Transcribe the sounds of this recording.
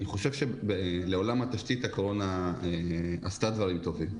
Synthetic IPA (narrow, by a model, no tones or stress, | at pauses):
niχo̞ʃe̞vʃebele̞o̞lamhat̪aʃt̪it̪hakoʁo̞naeast̪ad̪vaʁimt̪o̞vim